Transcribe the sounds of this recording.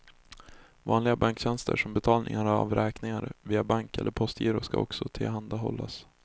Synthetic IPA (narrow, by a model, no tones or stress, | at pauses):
vɑːnlɪɡabaŋkɕɛnst̪ə̰ʂɔmbɛt̪ʰɑːlnʔɪ̰ŋaɾa̰vɾɛːknɪŋaɾviːabaŋkɛ̰lːəɾpʰɔst̪ʰjiːɾʊʂka̰ɔksɔt̪ʰɪlɦand̪aɦɔ̰lːas